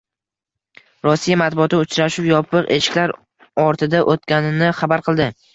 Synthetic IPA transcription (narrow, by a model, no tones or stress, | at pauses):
ɾɒsːijamat̪̚bʊɒt̪ɪʊt͡ʃɾaʃʊwjɒpɨqeʃɪ̥kʲlaɾ | ɒɾt̪ʰɪd̪aʔot̪kʲanɪnɪχabaɾqʰɨlˠd̪ɪ